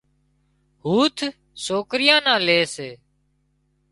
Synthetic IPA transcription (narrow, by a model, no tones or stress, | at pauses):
ɦuːt̪ʰ | soːkɾɪjãːnãːleːseː